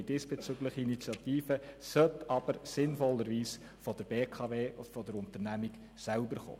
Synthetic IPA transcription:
diːsb̥eɛt͡søɡləχəinit͡sjɑt̪iːfəsœtɑb̥əɾsɪnfɔlːəɾʋiːs | fɔd̥̪əɾbeːkʰɑveːɔ̥fɔd̪əɾʊnt̪əɾnæmiɡ | sælbəɾχo̰ː

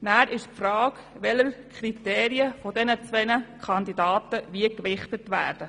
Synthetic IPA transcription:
næːɾʔɪʃprɑːk | ʋɛləɾkʰriteːɾiəfɔdɛnət͡sʋɛnəkʰɑnd̪idɑːtəʋiəkʋɪχtətʋæ̰ːɾd̥ə

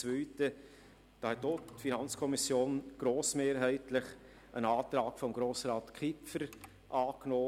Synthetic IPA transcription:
t͡svœʏtə | d̥ɑːhɛt̚dotfinɑnt͡skʰɔmisjoːnɡ̥ɾoːsmeːɾɦæɪtlɪχ | ʔənɑːt̪ɾaːkfɔmɡɾoːsɾɑːtkʰɪpfəɾ | ʔɑːknoː

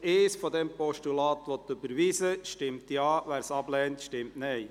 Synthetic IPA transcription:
eːsfɔd̪ɛmpɔʃtulɑːt̪ʋɔt̪ːɵbəɾʋiːsəʃtɪmt̪jɑːʋæːɾsɑblɛːntʃtɪmtnɛj

